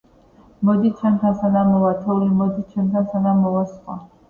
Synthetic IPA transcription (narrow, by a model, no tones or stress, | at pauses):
mɔd̪it͡ʃʰɛmt̪ʰansad̪amɔvat̪ʰɛulimɔd̪it͡ʃʰɛmt̪ʰansad̪amɔvasqʼa̰